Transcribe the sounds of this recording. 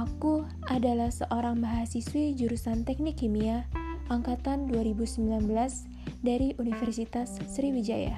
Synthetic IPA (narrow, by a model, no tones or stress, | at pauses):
ʔaku | adalahsəʔoɾaŋmaɦasiswid͡ʒuɾusant̪ɛk̚nikːimiaʔaŋkat̪anduaɾibusəmbilanbəlas | daɾiʔunifɛrsit̪asːɾiwid͡ʒaja̰